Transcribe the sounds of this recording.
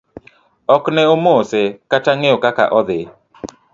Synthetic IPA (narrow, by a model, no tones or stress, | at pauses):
ɔknɛomosekat͡ʃaŋeokaka̰ʔɔd̪ɪ